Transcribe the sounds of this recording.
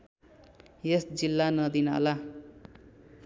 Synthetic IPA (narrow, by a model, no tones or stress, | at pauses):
jesd͡zilːanʌd̪ina̰la